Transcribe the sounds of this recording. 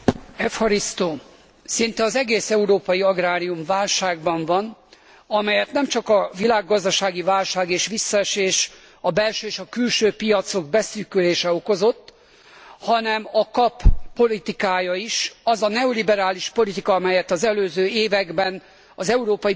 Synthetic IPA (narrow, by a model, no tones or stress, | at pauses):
ɛfhɒɾist̪oː | sint̪ɛɒzɛɡeːsɛuɾoːpɒjiɒɡraːɾijumvaːlʃaːɡbɒɱvɒn | ɒmɛjɛt̪nɛmt͡ʃɒkɒvilaːɡːɒzd̪ɒʃaːɡivaːlʃaːɡeːʃʋisːɒɛʃeːʃ | ɒbɛlʃøːeːʃɒkylʃøːpijɒt̪so̞ɡ̚bɛsyːkyleːʃɛo̞ko̞zo̞t̪ː | hɒnɛmɒkɒpːo̞lit̪ikaːjɒiʃɒzɒnɛolibɛɾaːliʃpo̞lit̪ikɒɒmɛjɛt̪ɒzɛløːzøːeːvɛɡbɛn | ɒzɛuɾoːpɒji